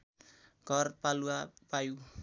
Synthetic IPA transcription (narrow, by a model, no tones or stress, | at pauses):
ɡ̥ɔrpaluapaju